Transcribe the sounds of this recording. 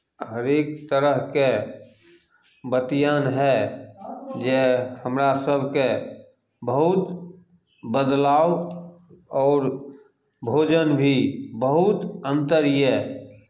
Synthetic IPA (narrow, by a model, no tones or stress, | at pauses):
ɦəɾeːk̚t̪əɾəɦke | bət̪janɦɛ | d͡ʒɛhəmɾasəbʱke | bəɦʊt̪ | bəd̪laːo | ɔːɾ | bʱoːd͡ʒənbʱibəɦʊt̪ə̃nt̪əɾje